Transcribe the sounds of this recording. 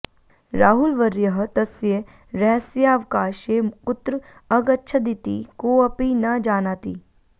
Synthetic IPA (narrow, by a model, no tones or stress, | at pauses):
ɾaːɦulʋəɾjəɦət̪ɐsje | ɾɛsjaːʋkaːʃekʊt̪ɾ | ɐɡɐtːʃʰəd̪it̪ḭːkoːɐpinad͡ʒaːnaːt̪iː